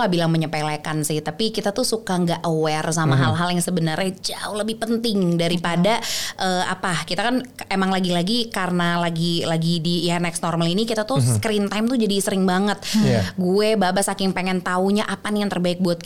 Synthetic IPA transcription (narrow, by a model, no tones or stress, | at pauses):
abilaŋməɲəpelakansɪht̪apikit̪at̪usukaŋɡaʔəwɛrsamaɦalɦaljaŋsəbənərɲad͡ʒaʊləbɪhpənt̪ɪŋdaɾipadaʔəːa̰pakit̪akanemaŋlaɡilaɡikaɾənalaɡilaɡidijanɛksnɔrmalinikit̪at̪uskɾint̪ajmt̪ud͡ʒadisəɾɪŋbaŋət̪̚ɡuebabasakɪŋpeŋɛnt̪auɲaʔapanjaŋt̪ərbaɪk̚buat̪̚